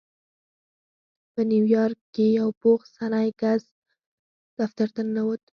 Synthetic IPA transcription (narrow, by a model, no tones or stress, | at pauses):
pəniwjɑɾkːejawpoxsanajkaz | d̪̥aft̪aɾt̪anːawət̪